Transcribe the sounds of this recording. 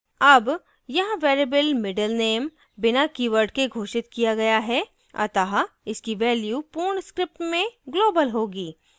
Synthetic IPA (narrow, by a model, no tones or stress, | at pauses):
ɐb | jɐɦãʋeːɾebəlmɪɖəlneːm | bɪnakiːʋəɾɖkeɡʱoːʃɪt̪kijaɡɐjaɦɛ | ɐ̰t̪ɐɦaɪskiʋɛːljuːpuːɾɳskɾɪp̚ʈmẽɡloːbəlɦoːɡiː